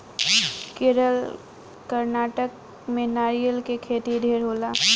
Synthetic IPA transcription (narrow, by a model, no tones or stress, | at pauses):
keːɾəl | kəɾnaːʈək | mẽnaːɾijəlkekʰeːt̪id̪ʱeːɾɦoːlaː